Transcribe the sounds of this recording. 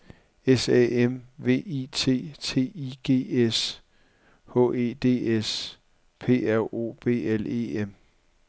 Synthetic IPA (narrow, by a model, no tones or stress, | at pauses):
esɛ̰emʋe̝̰ːit͡sʰe̝̰ːt͡sʰe̝̰ːiɡ̥e̝̰ːes | hɔ̰̽ːe̝ːd̥e̝̰ːes | pʰe̝̰ːæo̝̰ːb̥e̝̰ːele̝̰ːem